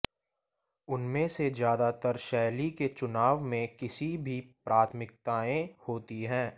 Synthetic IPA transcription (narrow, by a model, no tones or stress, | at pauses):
ʊnmẽsezjaːd̪at̪əɾʃɛːliket͡ʃʊnaːʋmẽkɪsibʱipɾʔaːt̪ʰmɪkt̪aːẽhoːt̪iɦɛ̃ː